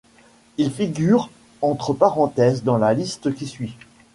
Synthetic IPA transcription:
ilfiɡʲyʁ | ɑ̃t̪χəpaʁɑ̃t̪ɛzd̪ɑ̃lalist̪kʲisɥi

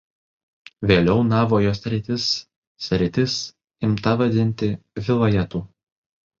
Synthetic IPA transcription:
ʋʲeːlʲɛʊnɑːʋoːjoːsʲɾʲɪt̪ʲɪs | sʲɾʲɪt̪ʲɪs | ɪmt̪ɐʋɐd̪ʲɪnʲt̪ʲɪʋʲɪlˠɐjɛt̪uː

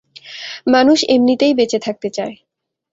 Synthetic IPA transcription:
manuʃemnit̪ejbet͡ɕet̪ʰak̚t̪et͡ɕae

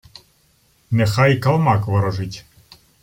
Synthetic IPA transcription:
nɛxajkɐlˠmɑkʋɐɾɔʒɪtʲ

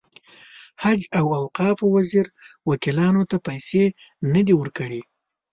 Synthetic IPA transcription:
had͡ʒawawqɑfwaziɾwakilɑnot̪apajse | nəd̪iwəɾkəɽi

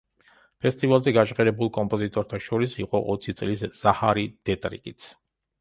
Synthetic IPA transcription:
pʰɛst̪ʼivalˠzɛɡat͡ʃʼqɛɾɛbulˠkʼɔmpʼɔzit̪ʼɔɾt̪ʰaʃɔɾisiqʼɔʔɔt̪sʰit̪sʼlisz̥ahaɾid̪̥ɛt̪ʼɾḭkʼit̪sʰ

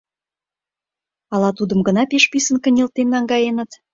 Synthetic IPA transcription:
ɑlɑt̪ud̪ə̆mɡə̆nɑpeʃpisə̆nkə̆nʲilt̪enːɑŋɡɑjenə̆t̪

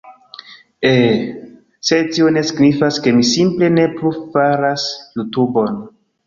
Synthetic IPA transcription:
e | setio̞ne̞siɡnifaske̞misimple̞ne̞plufaɾasjutubo̞n

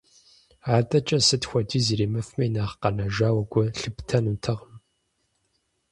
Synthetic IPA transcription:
aːdʼɐt͡ʃʼɐsɨtxʷɐd͡ʒiːziːɾeːmɐfmɐjnaːχqɐnɐʒaːwɐɡʷɔɬɨptʰɐnuːtʰɐʁm

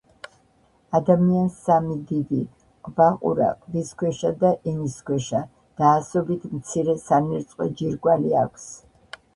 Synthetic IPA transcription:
ad̪amiansamid̪id̪i | qʼbaqʼṵɾa̰qʼliskwɛʃad̪aʔɛniskʰwɛʃa | d̪̥aːsɔbit̪ʰmt̪sʰiɾɛsaniɾt̪sʼqʼɔ̰d͡ʒiɾɡwalia̰kʷʰs

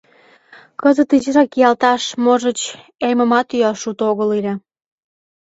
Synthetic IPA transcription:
kəzət̪iʑəɾɑkijɑlt̪ɑʃmoʒət͡ɕ | ejmə̆mɑt̪yɑʃut̪oɣəliɾʲe

